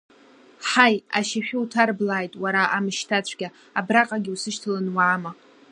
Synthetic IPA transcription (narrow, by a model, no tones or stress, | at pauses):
ħajaʃaʃᶣɪutʰarblaːjtʼwaɾaʔamɨʃtʰat͡ɕʷʰɡʲa | abraqʼaɡʲiusɨʃtʰɨlanwaːma